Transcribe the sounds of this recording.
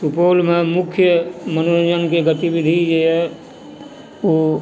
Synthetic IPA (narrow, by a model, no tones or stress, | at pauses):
supoːlmẽmʊkʰjəmənoɾd͡ʒənkeɡət̪ibid̪ʱid͡ʒeɛ | o